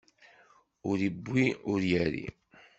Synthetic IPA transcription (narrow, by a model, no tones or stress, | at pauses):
ʊɾibːiʊɾjæɾḭ